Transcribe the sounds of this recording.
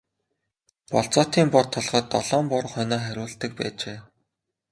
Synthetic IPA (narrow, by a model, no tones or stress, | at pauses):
pɔɮt͡sɔːt̪iːmpɔrt̪ʰɔɮχɔːt̪ːɔɮɔːmpɔɾ̆χœnɔːχæɾʲʊːɬt̪ɘ̆k̚pæ̰ːt͡ɕeː